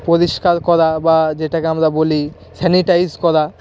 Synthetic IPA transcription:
poɾiʃkaɾkɔɾabad͡ʑeʈakeamɾaboli | sɛniʈajzkɔɾa

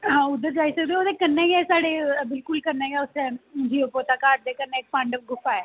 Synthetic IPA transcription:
ɦãːʊd̪ːəɾd͡ʒaːiːsək̚d̪eːoːd̪eːkənːɛ̃ːiɛːsaːɽeːbɪlkʊlkənːɛ̃ːjɛːʊsɛ̃d͡ʒiːoːpoːt̪aːkaːʈ̚d̪eːkənːeːk̚pãɳɖəp̚ɡʊpːaːeː

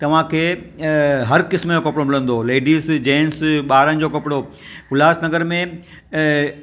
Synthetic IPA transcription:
t̪ɐʋ̤ãkʰeː | ɦɐɾkɪsmd͡ʑokɐpɽomɪlə̃nd̪oleːɖiːsd͡ʑeːnsɓaːɾəñɪ̆d͡ʑokɐpɪɽo | kʊlaːsnɐɡəɾmẽ

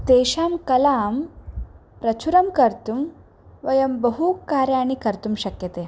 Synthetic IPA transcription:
t̪eːʃaːmkɐlaːm | pɾɐt͡ʃʰuɾɐmkɐɾt̪um | ʋɐjɐmbɐɦukaːɾjaːɳikɐɾt̪umʃɐkjɐt̪eː

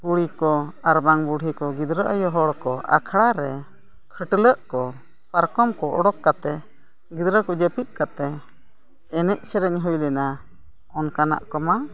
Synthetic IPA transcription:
buɽ̤ikɔaɾbaŋbuɽikɔɡid̪ɾəʔəjɔɦɔɽkɔʔa̰kʰɽaɾɛ | kʰəʈələʔkɔ | paɾkɔmkɔʔɔɽɔkːat̪ɛ | ɡid̪ɾəkɔd͡ʒəpit̪̚kat̪ɛ | ɛnɛc̚ˀsɛɾɛɲɦɔjlɛna | ɔnkana̰ʔkɔma

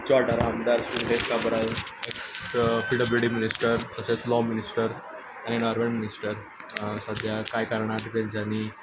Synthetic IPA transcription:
t͡ɕɔɾʈaɾamd̪aɾsunɖeskabɾalekspilʈəbilʈiminisʈəɾt̪əset͡slɔminisʈəɾ | añinɔɾʋeɳminisʈəɾ | səd̪ʱjakajkaɾɳ̃aɖifẽnd͡ʑani

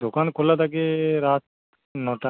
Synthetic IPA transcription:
d̪okaːnkʰolat̪ak̬eɾaːt̪̚ | nɔːʈa

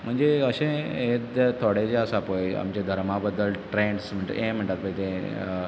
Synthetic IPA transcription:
m̤əɳd͡zeəɕẽet̪t̪ʰoɽed͡ʑeəsapoja̰mt͡ɕed̪ʱəɾmabəd̪əlʈɾeɳɖsm̤əɳʈẽm̤əɳʈat̪̚pəjt̪ẽ

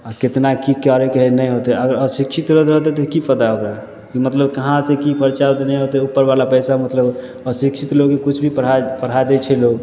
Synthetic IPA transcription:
aket̪nakikaɾekəɦɛnɛjɦot̪ɛʔəɡəɾəsikt͡ʃʰit̪ɾəd̪ɾəɦt̪ɛt̪ɔkipʰəd̪aəbɾa | kimət̪ləbkəɦãsekipʰəɾt͡ʃaot̪enɛjɦot̪ɛupːəɾbalapəjsamət̪ləb | əsikʃʰit̪loɡkekut͡ʃʰbʱipəɽapəɽ̤ajd̪ɛt͡ʃʰɛloɡ

